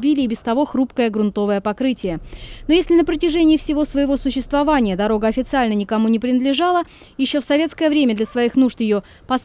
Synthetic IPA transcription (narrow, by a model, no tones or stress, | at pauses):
bʲilʲɪːbʲɪst̪ɐvo̞xrupkəjəɡɾʊnt̪o̞vəjəpɐkɾɨtʲɪjəno̞jesʲlʲɪnəpɾətʲɪʐɛnʲɪːfsʲɪvo̞svəjɪvo̞sʊɕːɪst̪vɐvanʲɪjəd̪ɐɾo̞ɡəɐfʲɪt̪sɨalʲnənʲɪkɐmunʲɪpɾʲɪnəd̪lʲɪʐalˠə | jɪɕːo̞fsɐvʲe̞t̪skəjəvɾʲemʲəd̪lʲɐsvɐixnuʐt̪jɪjo | pɐs